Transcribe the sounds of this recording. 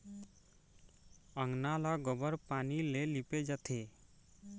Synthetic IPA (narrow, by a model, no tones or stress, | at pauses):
əŋnalaɡɔbəɾpaːnileliped͡ʒat̪ʰeː